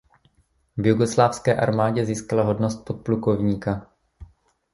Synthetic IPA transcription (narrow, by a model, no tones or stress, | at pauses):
vjuɡoslaːfskɛːʔa̰ɾmaːɟɛziːskalaɦo̞dnost̪̚pot̪̚pluko̞vɲiːka